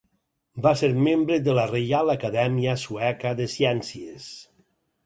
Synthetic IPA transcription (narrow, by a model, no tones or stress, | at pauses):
baseɾmembɾeðəlarejalakaðɛmiəsuɛkaðəsjɛnsies